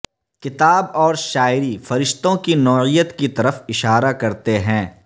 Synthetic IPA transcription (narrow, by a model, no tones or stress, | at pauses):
kɪt̪aːbɔːɾʃaːɪɾifɐɾɪʃt̪õkinɔːijət̪kit̪ɐɾəfɪʃaːɾakɐɾt̪eɦɛ̃ː